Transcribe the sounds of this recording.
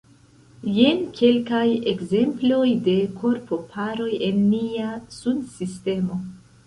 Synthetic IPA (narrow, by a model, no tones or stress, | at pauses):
jenkʰe̞lkajeɡze̞mplo̞jde̞kʰo̞ɾpo̞pʰaɾo̞je̞nːiasunsiste̞mo̞